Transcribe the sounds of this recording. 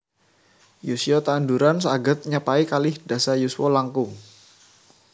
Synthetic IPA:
jusiɔt̪anduɾansəaɡət̪̚ɲapaikalɪhdasajuswɔlaŋkuŋ

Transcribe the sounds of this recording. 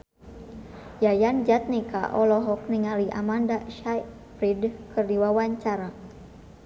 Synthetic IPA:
jajand͡ʒat̪̚nika̰ʔɔlɔɦɔk̚niŋaliʔa̰mandaʃaj | pɾidkɨrdiwawaɲt͡ʃaɾa

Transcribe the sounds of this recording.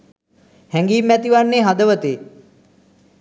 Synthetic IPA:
hæŋɡiːmːæt̪iʋanːeːɦad̪əʋət̪eː

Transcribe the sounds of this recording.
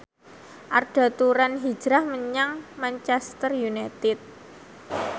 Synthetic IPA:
ʔarɖ̥a̤t̪uɾanɦi̥d͡ʒ̥ɾahməɲaŋmant͡ʃɛst̪ərjunat̪ɪt̪̚

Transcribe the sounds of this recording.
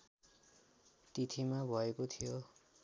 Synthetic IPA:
t̪it̪ʰimabʱʌekot̪ʰijo

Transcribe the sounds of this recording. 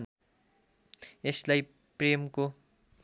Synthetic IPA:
n | eslaj | premko

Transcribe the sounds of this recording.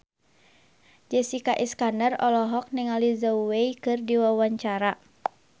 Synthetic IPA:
d͡ʒɛsikaʔiskandarɔlɔɦɔk̚niŋalizauweikɨrdiwawaɲt͡ʃaɾa

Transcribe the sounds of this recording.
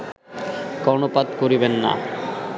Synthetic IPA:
kɔnopad̪koɾibenːa̰

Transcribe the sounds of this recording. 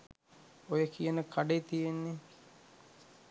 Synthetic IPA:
ojəkijənəkʰaɖet̪ijenːe

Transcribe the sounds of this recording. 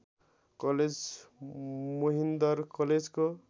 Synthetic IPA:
kʌled͡z | moɦind̪ʌɾkʌled͡zko

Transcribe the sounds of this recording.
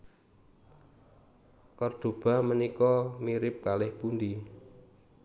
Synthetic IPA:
kɔrd̪̥o̤b̥a̤mənikɔmiɾɪp̚kalɪhpund̪i

